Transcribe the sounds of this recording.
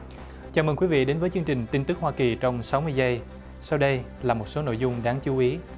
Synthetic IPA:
t͡ɕaː˧˩mə˨˩kwi˨˦vḭ˧˨ɗe˨˦nvəː˨˦jt͡ɕɨ˧əŋt͡ɕï˨˩ŋ̟t̪i˧nt̪ɨ˦˥k̚hwaː˧ki˨˩t͡ɕɔ˧wŋ͡msa˨˦wmɨ˧əjzə˧j | sa˧wɗə˧j | laː˨˩mo˨˩t̚so˨˦no̰˧˨jzʊ˧ŋ͡mɗaː˨˦ŋt͡ɕu˨˦ʔi˨˦

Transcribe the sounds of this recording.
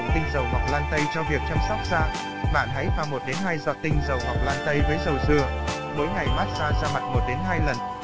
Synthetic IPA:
t̪ï˧ŋ̟zə˨˩wɦa˨˩wk͡p̚laː˧nt̪ə˧jt͡ɕɔ˧vi˨˩ək̚t͡ɕa˧msa˦˥k͡p̚z̥aː˧ | ɓa̰ː˧˨nɦa˨˦jvaː˨˩mo˨˩t̚ɗe˨˦nɦaː˧jzɔ̰˨˧˩t̪ï˧ŋ̟zə˨˩wɦa˨˩wk͡p̚laː˧nt̪ə˧jvəː˨˦jzə˨˩wzɨ˧˩ə | ɓo˨˦jŋa˨˩jɓaː˦˥t̚zaː˧zaː˧ma˨˩t̚mo˨˩t̚ɗe˨˦nɦaː˧jlə˨˩n

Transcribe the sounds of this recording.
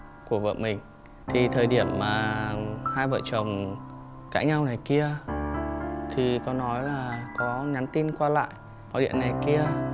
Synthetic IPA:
ku˧˩əvə̰ː˧˨mï˨˩ŋ̟ | t̪ʰi˨˩t̪ʰəː˨˩jɗi˧˩əmːaː˨˩haː˧jvə̰ː˧˨jt͡ɕə˨˩wŋ͡m | kaː˧˥k̚ɲa˧wna˨˩jki˧ə | t̪ʰi˨˩kɔ˨˦nɔ˨˦jlaː˨˩kɔ˨˦ɲa˨˦nt̪i˧nkwaː˧la̰ː˧˨jʔ | mɔ̰˧˨ɗḭ˧˨əna˨˩jki˧ə

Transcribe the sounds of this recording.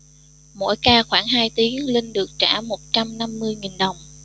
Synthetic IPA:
mo̰˧˥jkaː˧xwaː˧˩ŋɦaː˧jt̪i˨˦əŋlï˧ŋ̟ɗɨ˨˩ək̚t͡ɕa̰ː˧˩mo˨˩t̚t͡ɕa˧mna˧mːɨ˧əjŋi˨˩nɗə˨˩wŋ͡m

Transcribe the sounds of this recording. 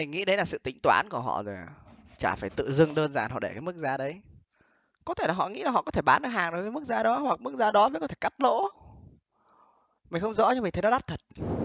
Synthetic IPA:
mï˨˩ŋ̟ŋḭ˧˥ɗə˨˦laː˨˩sɨ̰˧˨t̪ï˨˦ŋ̟t̪wa̰ː˨˦nku˧˩əɦɔ̰˧˨zo˨˩jt͡ɕaː˧˩faː˧˩jt̪ɨ̰˧˨zɨ˧əŋɗəː˧nzaː˨˩nɦɔ̰˧˨ɗe˧˩kaː˨˦jmɨ˦˥k̚zaː˧ɗə˨˦j | kɔ˨˦t̪ʰe˧˩laː˨˩ɦɔ̰˧˨ŋḭ˧˥laː˨˩ɔ̰˧˨kɔ˨˦t̪ʰe˧˩ɓaː˨˦nʔəː˧˩ɦaː˨˩ŋɗo˨˩jkəː˨˦jmɨ˦˥k̚zaː˧ɗɔ˨˦hwa˨˩k̚mɨ˦˥k̚zaː˧ɗɔ˨˦və˨˦kɔ˨˦t̪ʰe˧˩ka˦˥t̚lo̰˧˥ | mï̟˨˩xə˧wŋ͡mzɔ̰˧˥t͡ɕɔ˧mi̟˨˩t̪ʰnɔ˨˦ɗa˦˥p̚t̪ʰə˨˩t̚

